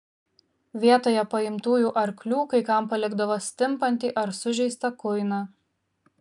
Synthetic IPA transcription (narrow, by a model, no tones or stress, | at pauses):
ʋʲiɛt̪oːjɛpɐɪmt̪uːjuːʔɐɾklʲuːkɐɪkɐmpɐlʲɪɡd̪ɐʋoːsʲt̪ʲɪmpɐnʲt̪ʲiːʔɐɾsʊʒʲɛɪst̪ɐkʊɪnɑ